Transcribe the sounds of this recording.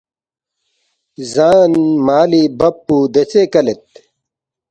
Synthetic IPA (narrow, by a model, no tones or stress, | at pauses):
zaːnmaːlibɐpːud̪et͡sekɐlet̪̚